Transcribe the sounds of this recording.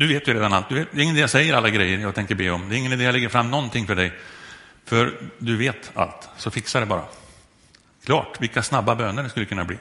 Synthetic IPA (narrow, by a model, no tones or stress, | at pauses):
d̪ɵveːt̪jɵɾeːd̪analt̪̚d̪ɵveːt̪̚d̪ɛɾɪŋənɛːjasɛjːəɾalːaɡɾɛjːəɾjɑːɡt̪ʰɛŋkəɾbeːɔmd̪ɛɾɪŋːənd̪ɛjalɛɡːəɾfɾamːnɔnt̪ʰɪŋfœɖɛj | fœɾd̪ɵveːt̪a̰lt̪sɔfɪksaɖɛbɑːɾa̰ | kʰlɑːʈvɪlkasnabːabøːnəɾɖɛskɵlːəkʰɵnːabliː